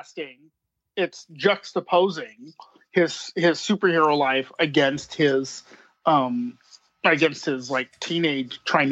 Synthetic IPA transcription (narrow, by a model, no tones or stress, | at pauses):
skɪ̃ŋ | ɪtsd̥ʒ̥ʌkəpʰoʊzɪ̃ŋ | ɪz̥hɪz̥sʉpə˞hɪɹoʊlaɪfɨɡɛ̃nst̚hɪz̥ | ʔʌ̃m | ɨɡɛ̃nst̚hɪzlaɪk̚tʰĩneɪd̥tʰɹ̥aɪ̃n